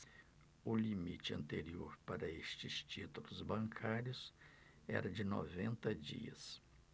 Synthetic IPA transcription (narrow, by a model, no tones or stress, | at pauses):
ʊlimit͡ʃɪɐ̰̃nt̪eɾioɾpaɾɐest͡ʃɪst͡ʃit̪ulʊzbɐ̃ŋkʰaɾjʊs | ɛ̰ɾɐd͡ʒɪnɔ̰vẽnt̪ɐd͡ʒḭɐ̰s